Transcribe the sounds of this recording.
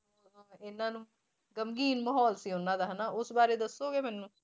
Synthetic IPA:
aɪnːãːnũː | ɡəmɡiːnməɦɔːlsiːɦonãːd̪aːɦɛnaːʊsbaːɾeːd̪əsoːɡeːmɛːnũː

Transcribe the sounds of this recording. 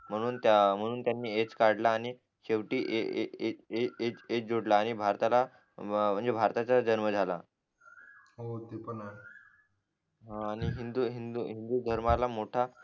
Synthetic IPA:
m̤əɽ̃uːnt̪am̤əɽ̃uːnt̪janːiːet͡skaɽlaːɽ̃i | keʋʈiːʔeeeeet͡sed͡zoɽlaːɽ̃ibʱaɾt̪ala | m̤əɳd͡zebʱaɾt̪at͡sad͡ʑənməd͡zʱala | ɦot̪epənae | ɦãːɽ̃iɦind̪uːɦind̪uɦind̪uːd̪ʱəɾmalamoʈʰa

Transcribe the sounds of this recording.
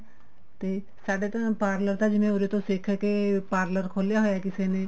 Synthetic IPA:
t̪e | saːɽet̪ɐpaːɾləɾt̪ʰad͡ʒɪmẽʊɾet̪osekʰəkepaːɾləɾkʰoːlijaɦojaɦɛkɪsene

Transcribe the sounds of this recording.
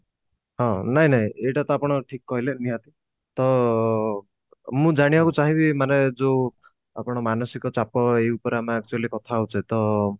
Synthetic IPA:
ɦɔ̃naɦĩnaɦĩeʈat̪ɔapɔɽ̃ɔʈʰikkːɔɦileniɦat̪i | t̪ɔ | mũd͡ʒaɽ̃ibakut͡ʃaɦĩbimaned͡ʒo | apɔɽ̃ɔmanɔsikɔt͡ʃapɔeupɔɾeamaak̚t͡ʃualikɔt̪ʰaɦut͡ʃʰet̪ɔ

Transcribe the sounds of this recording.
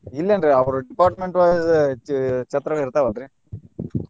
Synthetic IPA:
ɪlːɛndɾɯɐʋɐɾɯɖɪpaːɾʈmɛɳʈʋa | t͡ʃɐt̪ːɾɐŋɐɪɾɯt̪ːaːʋɐnɯɾɯ̃

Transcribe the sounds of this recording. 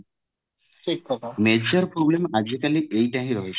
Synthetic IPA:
ikːɔmed͡ʑəɾpɾɔblemad͡ʒikaliʔeiʈãɦĩɾɔɦet͡ʃʰ

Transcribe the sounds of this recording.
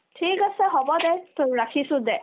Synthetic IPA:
tʰikɔsɛɦɔbɔd̪ɛt̪oɹakʰisud̪ɛ

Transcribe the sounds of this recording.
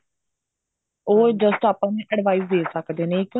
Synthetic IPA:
oːd͡ʒəsʈaːpãːnẽːʔəɽʋaːiːzd̪eːsəkd̪eːnekə

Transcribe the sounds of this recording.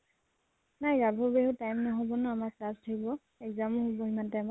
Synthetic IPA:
najɡabʱɔbeɦutajmnɔɦɔbɔnɔamaklastʰakibɔ | ɛkzamɔɦubɔɦimantɛama

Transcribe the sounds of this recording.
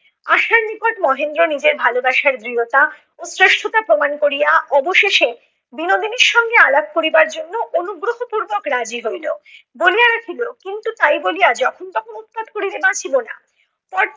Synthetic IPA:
aʃaɾmikoʈmɔɦend̪ɾonid͡ʑeɾbʱalobaʃaɾd̪ɾiot̪a | osɾeʃʈʰot̪apɾomankoɾijaɔboʃeʃe | binod̪ʱineɾʃɔŋɡealab̚koɾibaɾd͡ʑonːoʔonuɡɾoɦopuɾbokɾad͡ʑiɦojlo | bolijaɾakʰilokint̪ut̪ajbolijad͡ʑɔkʰont̪ɔkʰonut̪̚pad̪koɾid̪ebat͡ɕʰibona̰ | pɔɾ

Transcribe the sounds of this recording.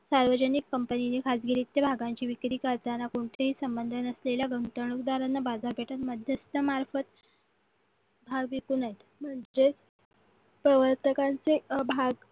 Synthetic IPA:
saɾʋəd͡ʑənikːəmpəninikʰasɡiɾiːt̪jabʱaɡaɲt͡ɕiːʋikɾiːkaɾd͡z̪anakoɳt̪ʰeɦiːsəmbənd̪ʱənəsleljaɡəŋʈ̪əɳukd̪aɾanːabad͡zaɾpeʈət̪məd̪ʱjəst̪əmaɾfət̪ | bʱaɡ̚bikunaɦet̪ | m̤əɳd͡ze | pɾəʋəɾt̪əkant͡sebʱaɡ

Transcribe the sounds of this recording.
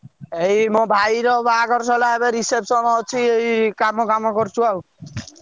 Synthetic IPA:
eɦimɔ̃bʱajɾɔbaːɡɔɾsɔlaebeɾisepsɔnɔt͡ʃʰieikamɔkamɔkɔɾt͡ʃʰuaw

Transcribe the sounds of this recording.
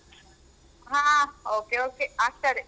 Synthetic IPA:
ɦãoːkeoːkeaːkʈəɾ

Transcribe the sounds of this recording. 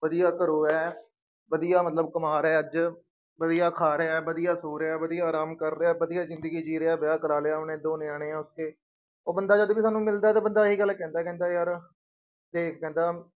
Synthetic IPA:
ʋəd̪ijaːk̪əɾoːɛː | ʋəd̪ijaːmət̪ləbkəmaːɾɛːəd͡ʒ | ʋəd̪ijaːkʰaːɾeːbəd̪ijaːsoːɾeaːʋəd̪ijaːɾaːmkəɾːaːbəd̪ijaːzɪ̃nd̪əɡiːd͡ʒiːɾeːaːbɪjaːkəɾaːleːaːnẽːd̪oːnɪaːɽ̃ẽːɛ̃ːʊskeː | oːbənd̪aːd͡ʒəd̪ʋiːsaːnũːmɪld̪aːɛt̪aːbənd̪aːɦiːɡəlkɛ̃ːnd̪aːkɛ̃ːnd̪aːjaːɾ | d̪eːkʰkɛ̃ːnd̪aː

